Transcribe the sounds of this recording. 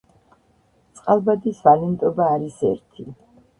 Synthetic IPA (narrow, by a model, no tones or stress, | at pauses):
t̪sʼqʼalˠbad̪isvalɛnt̪ʼɔbaːɾisɛ̰ɾt̪ʰi